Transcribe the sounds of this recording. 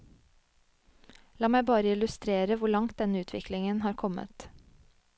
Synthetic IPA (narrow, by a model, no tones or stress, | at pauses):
lɑːmæɪbɑːɾəɪlʉst̪ɾeːɾəʋʊɭɑŋt̪̚d̪ɛnəʉːt̪ʰʋɪ̰kʰlɪŋənhɑːɾkʰɔmə̰t̪